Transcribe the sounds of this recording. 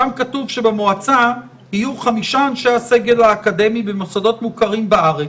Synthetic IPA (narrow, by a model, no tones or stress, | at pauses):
amkatuvʃe̞bemoat͡sa | hijuχamiʃaːnʃaase̞ɡe̞lhaːkade̞mibemosado̞t̪mukaʁimbaaʁe